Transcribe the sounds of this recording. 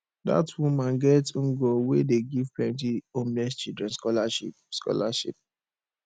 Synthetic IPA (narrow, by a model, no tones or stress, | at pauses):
da̰twumãnɡɛtũŋɡowedeɡivplɛ̃ntiomnɛst͡ʃidɹɛ̃nskɔlaʃḭpskɔ̰laʃḭp̚